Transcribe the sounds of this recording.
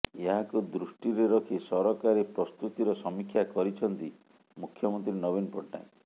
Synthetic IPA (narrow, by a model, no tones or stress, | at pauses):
eɦakud̪ɾusʈiɾeɾɔkʰisɔɾɔkaɾepɾɔst̪ut̪iɾɔsɔmikʰjakɔɾit͡ʃʰɔnt̪i | mukʰːjɔmɔnt̪ɾinɔβinpɔʈːa̰j̃